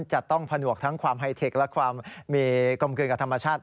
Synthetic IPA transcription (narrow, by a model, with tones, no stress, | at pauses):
nt͡ɕa˨˩ʔt̪ɔ˥˩ŋpʰa˧nu˨˩ək̚t̪ʰa˦˥ŋkʰwaː˧mɦa˧jt̪ʰe˨˩k̚lɛ˦˥kʰwaː˧mːiː˧ko˧mk̬ɯː˧nka˨˩t̪ʰa˧mːa˧t͡ɕʰaː˥˩t̪̚